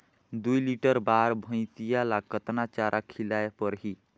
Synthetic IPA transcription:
d̪ujliʈəɾbaɾbʱə̃ɪ̃t̪ijalakət̪nat͡ʃaɾʔakʰilajepəɾɦi

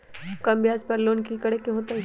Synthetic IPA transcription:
kɐmbɪjaːd͡ʒpɐɾloːnkikɐɽekːeɦot̪ɐ

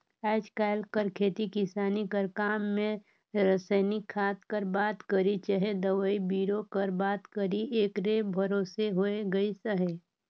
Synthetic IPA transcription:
ɛːd͡ʒkaːɪlkəɾkʰeːt̪ikɪsaːnikəɾkaːmːẽ | ɾəsəɪnɪkʰːaːt̪kəɾbaːt̪kəɾit͡ʃəɦed̪əʋəibiːɾokəɾbaːt̪kəɾieːkɾeːbʱɐɾoːseɦoeɡɐisəɦe

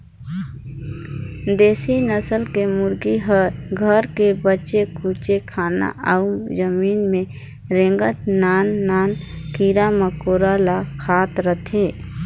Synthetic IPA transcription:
d̪eːsinəsəlkemʊɾɡiɦəɾɡʱəɾkebətːʃekuːt͡ʃekʰaːna̰ʔaumd͡ʒəmiːnmẽ | ɾẽŋɡət̪naːnːaːnkiːɾaməkoːɾalakʰaːt̪ɾət̪ʰeː

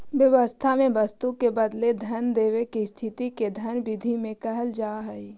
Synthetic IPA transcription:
ʋjəʋəst̪ʰamẽbəst̪ukebəd̪led̪ʱənd̪eːwekist̪ʰɪt̪iked̪ʱənbɪd̪ʱimẽkəɦəld͡ʒaːɦɛi

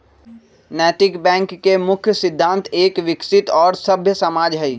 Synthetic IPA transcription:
nɛːʈɪkbɛ̃ːŋkːemʊkʰjəsɪd̪ʱːãːnt̪ʰeːkʋɪksɪt̪ɔːɾsɐbʱjəsɐmaːd͡ʒɦɛi

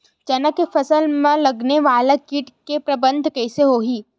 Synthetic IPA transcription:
t͡ʃɐnəkːefʰɐsəlmẽlɐɡneʋaːlakiːʈkepɾɐbə̃nd̪ʱkɛːseɦoːɦiː

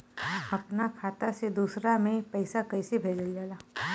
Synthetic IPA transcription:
ɐpnakʰaːt̪ased̪uːsɾamẽpɐɪsakɐɪsebʱeːd͡ʒəld͡ʒaːlaː

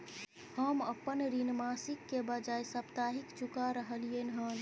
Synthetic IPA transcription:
həməpːənɾinmasikːebəd͡ʒajsəpt̪aɦikt͡ʃukaɾəɦəlijenɦən

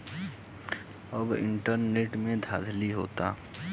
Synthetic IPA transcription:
əbɪ̰ɳʈəɾneːʈmẽd̪ʱaːd̪ʱliɦo̰ːt̪a̰

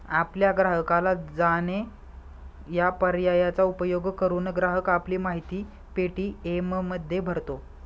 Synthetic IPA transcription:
apljaɡɾaɦəkalad͡zane | japəɾjajat͡saupəjoɡkəɾuːnɡɾaɦəkapliːmaɦit̪iː | peʈiːemməd̪ʱːjebʱəɾt̪o

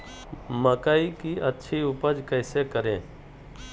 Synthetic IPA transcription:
məkaikiʔətːʃʰiʊpəd͡ʒkɛːsekəɾẽː

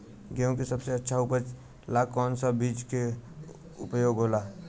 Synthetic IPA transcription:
ɡeõkesɐbseɐtːʃʰaʊpət͡ʃ | lakɔːnsabiːd͡ʒke | ʊpjoːɡɦoːlaː

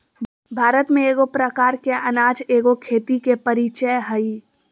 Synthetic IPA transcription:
bʱaːɾət̪mẽeːɡopɾəkaːɾkeʔɐnaːd͡ʒeːɡokʰeːt̪ikepɐɾit͡ʃəjɦəi

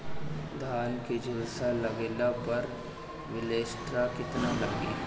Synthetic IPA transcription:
d̪ʱaːnkid͡ʒɪlsalɐɡeːlapɐɾ | ʋɪleːsʈɾakɪt̪nalaːɡḭː

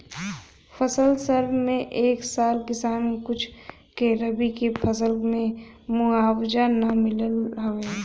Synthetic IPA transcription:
fʰəsəlsəɾbmẽʔeːksaːlkɪsaːnkʊt͡ʃʰ | keɾəbikepʰəsəlmẽmuaːwd͡ʒanamɪləlɦɐeː

